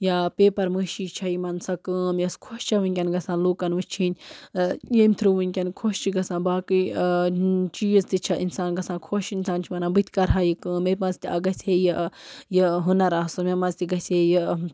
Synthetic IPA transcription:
japeːpɐɾmɨʃiːt͡ʃʰɐimɐnsɐkɨːmjɐskʰoʃt͡ʃʰɐʋɨnʲkʲɐnɡɐsãːnluːkɐnʋɨt͡ʃʰinʲ | jemʲt̪ʰɾɨʋɨnʲkʲɐnkʰoʃt͡ʃʰiɡɐsãːnbaːkɨ | t͡ʃiːzt̪it͡ʃʰɐʔinsaːnɡɐsãːnkʰoʃinsaːnt͡ʃʰimɐnãbɨt̪ʰʲkɐɾɦajikɨːmːeɾʲmɐ̃nzt̪iʔɐɡɐsʲhejəjəɦunɐɾasɨmemɐnzt̪iɡɐsʲejə

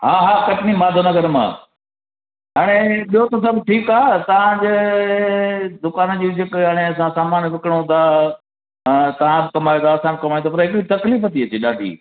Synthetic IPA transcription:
ɦaːɦaːkɐʈɪnimaːd̪ʱonɐɡʱəɾmã̰ː | ɦaːɽ̃eɓiɦot̪osɐbʱʈʰiːkaːt̪ɐʋ̤ãd͡ʑeː | d̪ʊkaːnəd͡ʑiːʋɪd͡ʑʱekɦaːɽ̃eɐsãsaːmaːnʋɪkəɽõd̪ãː | t̪ɐʋ̤ãbɪkɐmaːjõt̪ʰaːsãmkɐmaːjõt̪ʰopɐɾɦɪkɽit̪ɐkliːfɐt̪iɐt͡ɕeːɗaːɖʱḭː

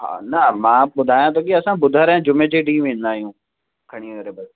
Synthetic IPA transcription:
ɦa̰ːnɐmãːɓʊd̪ʱaːjãt̪ʰɐk̬iɐsãbʊd̪ʱaːɾ̃d͡ʑʊmẽd͡ʑeɖiːʋẽːn̆d̪aːɦijũː | kʰɐɽ̃iəɾebɐs

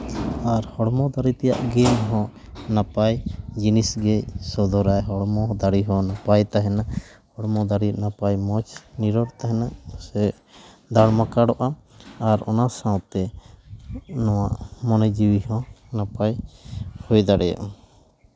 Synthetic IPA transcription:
aɾhɔɽmɔ̃d̪aɾit̪ɛja̰ʔɡɛmɦɔ̃napajd͡ʒinisɡɛsɔd̪ɔɾajɦɔɽmɔd̪aɽiɦɔ̃napajt̪aɦɛnaʔhɔɽmɔd̪aɽinapajmɔt͡ʃʰniɾɔɽt̪aɦɛnaʔsɛ | d̪aɽmakaɽɔʔaaɾɔ̰nasãwt̪ɛ | nɔwaʔmɔnɛd͡ʒiwihɔ̃napajhɔjd̪aɽɛja̰ʔ

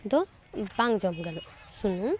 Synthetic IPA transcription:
d̪ɔ | baŋd͡ʒɔmɡanɔsunum

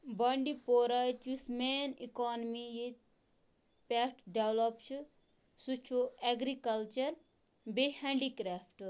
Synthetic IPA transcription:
bɐɳɖipoɾɐt͡ʃusmenikɔːnmijit̪̚ | peʈɖeʋlopt͡ʃʰu | sut͡ʃʰueɡɾikɐlt͡ʃɐɾ | behẽɳɖikɾaːfʈ

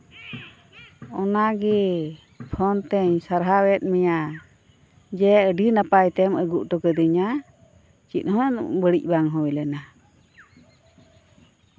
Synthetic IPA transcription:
ɔnaɡɛ | pʰɔnt̪ɛɲsaɾɦawɛt̪̚mɛja | d͡ʒɛəɖinapajt̪ɛməɡuʔʈɔkəd̪iɲa | t͡ʃit̪̚ˀhɔnʔbəɽic̚ˀbaŋɦɔjlɛna

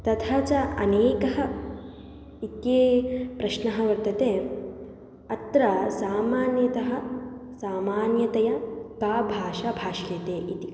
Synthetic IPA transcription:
t̪ɐt̪ʰaːt͡ʃaɐ̰neːkɐɦɐ̆ | it̪jeːpɾɐʃnɐɦɐ̆ʋɐɾt̪ɐt̪eː | ɐt̪ɾɐsaːmaːnjɐt̪ɐɦɐ̆saːmaːnjɐt̪ɐjɐkaːbʱaːʃabʱaːʃjɐt̪eːʔit̪i

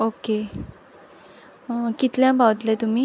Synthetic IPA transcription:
oke | kit̪ljãbʱawət̪let̪um̤iː

